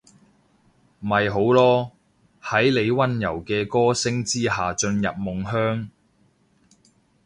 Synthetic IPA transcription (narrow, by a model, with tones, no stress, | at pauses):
m̩˨ɐ˨jɦo˨˥wlɔː˥ | hɐ˨˥jle˨˧jwɐ˥njɐ̰˨˩wkɛː˧kɔː˥sɪ˥ŋt͡siː˥ɦaː˨t͡ʃɵ˧njɐ̰˨p̚mʊ˨ŋɦœː˥ŋ